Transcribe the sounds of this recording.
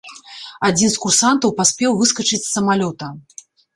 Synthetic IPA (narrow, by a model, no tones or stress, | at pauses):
ad͡zʲinskursant̪ɐwpasʲpʲɛwvɨskɐt͡ʂɨt͡sʲsɐmalʲɔt̪ɐ